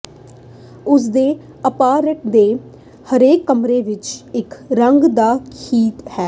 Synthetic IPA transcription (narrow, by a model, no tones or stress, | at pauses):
ʊs̬d̪eː | əpaːɾəʈ̚d̪eː | həɾeːkːəmɾeːʋɪt͡ʃɪkɾəŋɡd̪aːkʰiːt̪hɛː